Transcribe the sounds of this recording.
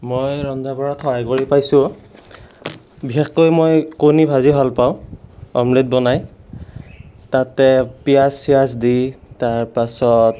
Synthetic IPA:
mojɹɔndʱabɔɹɔtʰɔajɡoɹipajsʊ | biɦexkojmojkonibʱaziɦalpaʊ̃ɔ̰mlet̚bɔnaj | tatɛpijasijasditaɹpasɔt

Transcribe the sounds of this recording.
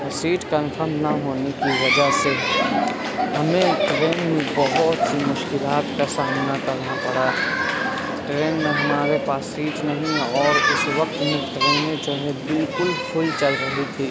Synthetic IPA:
siːʈkə̃npʰəɾmnaɦoːnekiʋɐd͡ʒəɦse | ɦɐmẽʈɾeːnmẽbəɦʊt̪simʊʃkɪlaːt̪kasaːmnakɐɾnapɐɽa | ʈɾeːnmẽɦɐmaːɾepaːsiːʈnəɦĩɔːɾʊsʋək̚t̪mẽʈɾeːnẽd͡ʒoːɦɛbɪlkʊlkʰʊlt͡ʃəlɾəɦit̪ʰiː

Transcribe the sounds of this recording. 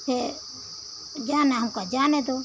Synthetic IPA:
ɛ | d͡ʒaːnaɦmkad͡ʒaːnɛd̪ɔ

